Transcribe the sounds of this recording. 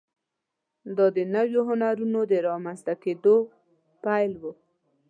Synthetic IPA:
d̪ɑd̪ənawjoɦʊnaɾunod̪əɾɑmanst̪aked̪o | pajlwu

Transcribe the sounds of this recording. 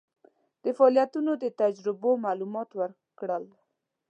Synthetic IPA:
d̪̥əfaɑlijat̪unod̪ət̪ad͡ʒɾɪbomalumɑt̪wəɾ | kɽəl

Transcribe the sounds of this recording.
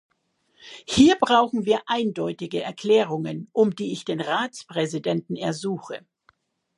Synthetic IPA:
hiːɐbʁaʊxn̩viːɐʔaɪndɔʏtɪɡəɛɐkʰl̥ɛːʁ̞ʊŋənʔʊmdiːɪçd̥eːnʁaːt͡spʁ̥ɛzidɛntn̩ɛɐzuːxə

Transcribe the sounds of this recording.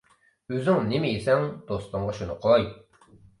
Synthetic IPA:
øzyŋnemiisɛŋd̪̥ost̪ɑɴʁɑʃunʊqʰoj

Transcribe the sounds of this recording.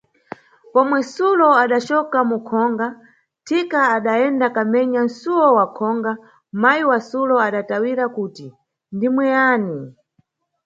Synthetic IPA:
pɔmwɛsulɔaɗat͡ʃɔkamukʰɔŋɡa | tʰikaːɗaɛndakamɛɲansuwɔwakʰɔŋɡa | majiwasulɔaɗatawiɾakuːti | ndimwɛaːni

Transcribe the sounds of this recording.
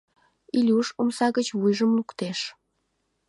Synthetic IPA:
ilʲuʃomsɑɣət͡ɕβujʒəmlukt̪eʃ

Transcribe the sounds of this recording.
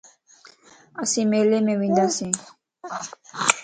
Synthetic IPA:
əsĩːmeːleːmẽːʋĩːnd̪aːsĩː

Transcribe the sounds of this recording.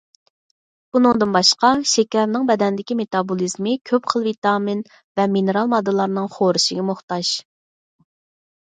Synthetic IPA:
b̥unɨŋd̪ɨnbɑʃqɑʃɛkʲɛɾnɨŋbɛd̪ɛnd̪ɪkʲimet̪ɑbolˠizmɨkʲʰøpχəlˠvit̪ɑmin | vɛminɨɾɑlˠmɑd̪ːɨlˠɑɾnɨŋχoɾɨʃɪɡʲɛmoχt̪ɑʃ

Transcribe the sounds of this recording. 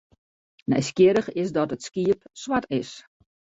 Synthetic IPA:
nɛ̰jskjɪɾəxɪsdɔtətskiəpswatɪs

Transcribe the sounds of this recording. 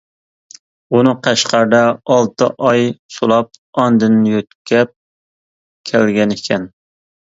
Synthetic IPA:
unɨqʰæʃqɑɾd̪ɑɑlˠt̪ʰɨʔɑjsulˠɑp̚ɑnd̪ɨnːjøt̪kʲʰɛp̚ | kʲʰælɡʲɛnɪkʲʰɛn

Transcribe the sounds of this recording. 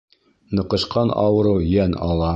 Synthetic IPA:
nɤ̆qɤ̆ʃqɑnɑ̰wɤ̆ɾɤjænɑlˠɑ

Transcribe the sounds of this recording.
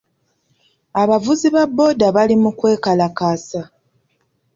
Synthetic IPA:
aβavuziβabːo̞ːdaβalimukwe̞ːkalakasa

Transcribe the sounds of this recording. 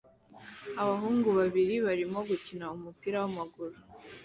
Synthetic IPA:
aβaɦuːŋɡuβaβiɾiβaɾimo̞ɡucinaumupiːɾawamaɡuɾu

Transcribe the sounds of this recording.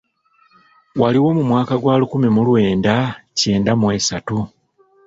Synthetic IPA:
waliwo̞mumwaːkaɡwaːlukumimulwe̞ːndace̞ːndamwe̞satu

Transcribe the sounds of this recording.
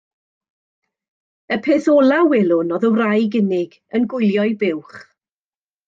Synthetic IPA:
əpʰeːθɔlˠawɪlˠʊnɔðəwrajɡɪnɪɡ | ənɡʊjlˠjɔɨbɪwχ

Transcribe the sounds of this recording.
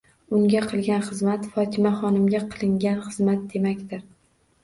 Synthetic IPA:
ʊŋɡʲaqʰɨlˠɡʲanχɨzmat̪fɒt̪ʰɪmaχɒnɪmɡʲaqʰɨlˠɪŋɡʲanχɨzmat̪̚d̪emakʲt̪ɪɾ

